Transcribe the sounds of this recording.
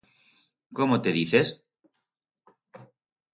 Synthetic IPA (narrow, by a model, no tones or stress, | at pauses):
komot̪eðiθes